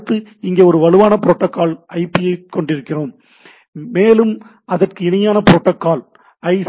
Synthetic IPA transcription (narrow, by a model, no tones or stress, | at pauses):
t̪ːɯɪŋɡeːɔɾɯʋɐɻɯʋaːnɐpɪɾoːʈːɐkːaːlɐɪpːijɐɪkːɔɳɖɪɾɯkːɪroːmː | eːlɯm | ɐðɐrkɯɪnɐjaːnɐpɪɾoːʈːɐkːaːl | ɐɪs